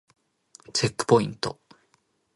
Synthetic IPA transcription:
t͡ʃekːɯ̥poĩnt̪o

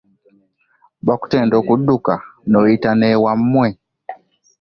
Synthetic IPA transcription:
ɓaku̥tɛndɔkuɗukanɔitanɛwam̩mwɛ

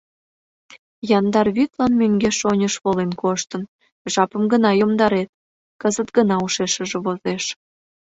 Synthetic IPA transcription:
jɑnd̪ɑrβyt̪lɑnmøŋɡeʃonʲəʃβolenkoʃt̪ən | ʒɑpəmɡənɑjomd̪ɑɾet̪̚ | kəzət̪ɡənɑuʃeʃə̆ʒĕβozeʃ

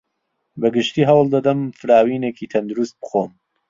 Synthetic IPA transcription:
bɐɡɨʃt̪iːɦɐwlˠd̪ɐd̪ɐmfɨɾaːwiːnekiːt̪ʰɐnd̪uɾust̪̚bɨxoːm

